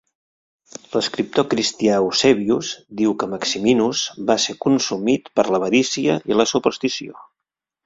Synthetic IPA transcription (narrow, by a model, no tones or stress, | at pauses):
ləskɾip̚t̪okɾist̪iausɛβiuzd̪iwkəməksiminuzbasekunsumit̪pəɾləβəɾisiəiləsupəɾst̪isio